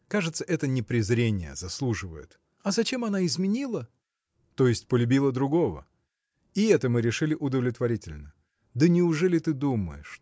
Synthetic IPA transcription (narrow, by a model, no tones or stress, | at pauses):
kaʐɨt̪səʔɛt̪ənʲɪpɾʲɪzɾʲenʲɪjə̰zɐslˠuʐɨvə̰jɪ̰t̪ | ɐzɐt͡ɕe̞mɐnaɪzmʲɪnʲilˠə | t̪o̞jɪsʲtʲpəlʲʉbʲilˠəd̪ɾʊɡo̞və̰ | ɪɛt̪əmɨɾʲɪʂɨlʲɪʔʊd̪əvlʲɪt̪vɐɾʲitʲɪlʲnə | d̪ənʲɪʊʐɛlʲɪt̪ɨd̪umə̰jɪ̰ʂ